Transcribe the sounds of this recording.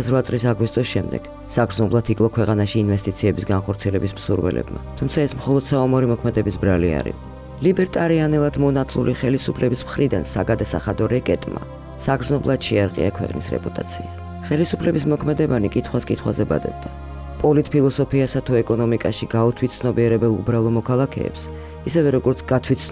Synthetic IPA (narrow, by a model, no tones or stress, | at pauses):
asɾvat̪sʼlisaɡwist̪ʼɔsʃɛmd̪ɛ̰ɡ̥ | saɡɾznɔblˠat̪ʰikʼlˠɔkʰwɛqʼanaʃiːnvɛst̪ʼit̪sʰiɛbisɡanχɔɾt̪sʰiɛlɛbismsuɾwɛ̰lɛ̰b̥ma̰t̪ʰumt̪sʰaɛsmχɔlˠɔd̪̥saɔmɔɾimɔkʰmɛd̪ɛbisbɾalia̰ɾḭqʼɔ | libɛɾt̪ʼaɾianɛlˠad̪mɔnat̪ʰlˠṵliχɛlisupʰlɛbismχɾid̪a̰nsa̰ɡad̪asa̰χad̪ɔɾɛkʼɛt̪ʼma̰ | saɡɾd̪znɔblˠad̪̥ʃɛaɾqʼḭa̰kʰwɛ̰qʼnḭsɾɛ̰pʼut̪ʼat̪sʰia | χɛlisupʰlɛbismɔkʰmɛd̪ɛbanikʼit̪ʰχwaskʼit̪ʰχwazɛba̰d̪ɛ̰b̥̚d̪a | pʼɔlit̪ʼpʰilˠɔsɔpʰiasat̪ʰuɛkʼɔnɔmikʼaʃiɡaut̪ʰwit̪sʰnɔbiɛɾɛbɛlˠubɾalˠɔmɔkʰalˠakʰɛ̰ːps | isɛvɛɾɔɡɔɾt̪sʰɡ̥at̪ʰwit̪s